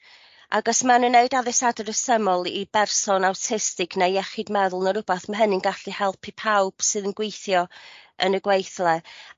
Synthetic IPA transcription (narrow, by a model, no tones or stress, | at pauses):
a̰ɡɔsmanənːeɨdaðɪsadəɾəsəmɔlˠibɛrsɔnawtʰɪstɪkʰnajɛχɪdmɛðʊlˠnəɾʊbaθmaɦənɨnɡaɬihɛlˠpʰipʰawb̥sɨðənɡwejθjɔənəɡwejθlˠɛ